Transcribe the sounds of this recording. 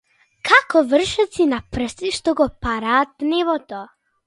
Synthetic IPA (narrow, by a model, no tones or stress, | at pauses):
kʰakɔvr̩ʃat̪sinapr̩st̪iʃt̪ɔɡɔpaɾaːt̪̚nɛvɔt̪ɔ